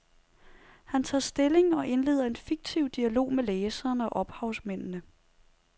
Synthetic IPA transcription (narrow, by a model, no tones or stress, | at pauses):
hænt͡sʰɑ̰̈ːsd̥e̝le̝ŋɒ̽ʔe̝nle̝̰ːð̞̰ˠɐe̝nfiɡ̥̚t͡sʰiʊ̰d̥iælo̝̰ːmeleːsɐːnɒ̽ʔɒ̽b̥hɑ̈ʊsmen̰nə